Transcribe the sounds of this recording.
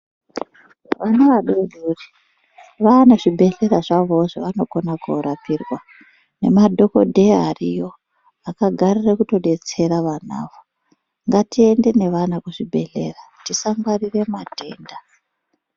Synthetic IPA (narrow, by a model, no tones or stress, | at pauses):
ʋanaʋaɗoɗuri | ʋanaʐibʱe̞ɬe̞raʐaʋo̞ʐoʋano̞ko̞nako̰ɾapirwa | ne̞madʱo̞ko̞̰dʱe̞ɦarijo̞ | akaɡʱarirekuto̞ɗe̞t͡se̞ɾaʋana̰ːʋo | ŋɡatie̞nde̞ne̞ʋanakuʐibʱe̞ɮe̞̰ratisaŋɡwarire̞matʰe̞ːnda